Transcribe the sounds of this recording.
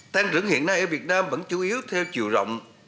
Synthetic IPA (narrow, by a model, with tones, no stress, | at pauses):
t̪aː˧ŋt͡ɕɨ˧˩əŋhḭ˧˨ənːa˧jʔəː˧˩vi˨˩ət̚naː˧mvə̰˧˥nt͡ɕu˨˦ʔi˨˦əwt̪ʰɛ˧wt͡ɕi˨˩əwzə̰˧˨wŋ͡m